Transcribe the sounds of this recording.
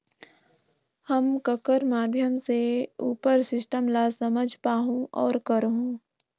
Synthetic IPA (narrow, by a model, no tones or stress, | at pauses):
həmkəkəɾmaːd̪ʱjəmseuːpəɾsɪsʈəmlasɐməd͡ʒʱpaːɦũʔɔːɾkəɾɦũː